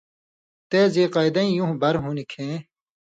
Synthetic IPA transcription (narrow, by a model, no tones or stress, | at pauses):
t̪eːziːqɐjd̪ɐ̃ĩjũɦbɐɾɦunikʰẽː